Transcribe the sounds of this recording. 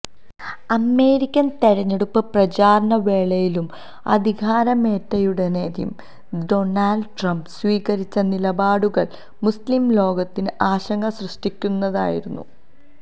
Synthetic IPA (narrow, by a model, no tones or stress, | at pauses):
ɐme̞ːɾikʲːɐnt̪eɻɐɲːeɽupːɨprɐd͡ʑaːɾɐɳɐʋe̞ːɭɐjilum | ɐ̰d̪ʱiɡʱaːɾɐme̞ːtːɐjuɽɐneːɾjḭm | do̞naːlɖʈrɐmbsʋiːɣɐɾit͡ɕːɐnilɐbaːɽuɣɐɭ | muslimlo̞ːɡɐt̪ːinɨʔaːɕɐŋɡɐsrɨʂʈikʲːunːɐða̰ːjḭɾunːṵ